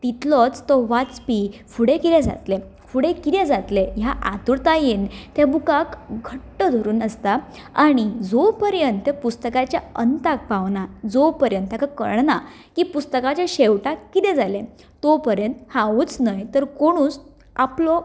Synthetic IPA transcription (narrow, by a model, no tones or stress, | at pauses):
t̪it̪lɔt͡st̪ɔʋat͡spifuɽekiɾjɛ̃d͡za̰t̪le | fuɽekit̪jad͡zat̪lejaʔat̪uɽt̪ajent̪jabukakɡʱəʈːəd̪ʱoɾuːnəst̪a | aɽ̃id͡zɔpəɾjənt̪ːepust̪əkat͡ɕjaənt̪ak̚paʋnad͡zɔpəɾjənt̪ːjakakə̰ɾɳna | kiːpust̪əkat͡ɕjaɕewʈakːit̪ɛd͡zalẽ | t̪ɔpəɾjənt̪hãʋut͡snajt̪əɾkoɽ̃uːt͡s | aplɔ